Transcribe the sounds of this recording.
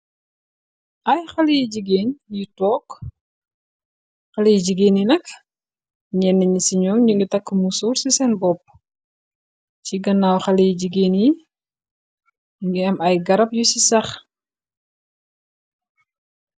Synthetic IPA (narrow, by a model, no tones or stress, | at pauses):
ʔɐjxɐlijiɟiɡeːnjitɔːk | xɐlejd͡ʒəɡeːninɐk | ɲɛnːɐɲisiɲɔɲuŋɡitɐkːəmusuɾsisɛnbɔp̚ | ciɡɐnːawxɐlejiɟiɡeːni | ŋɡiɛmɐjɡɐɾɐp̚jusisɐx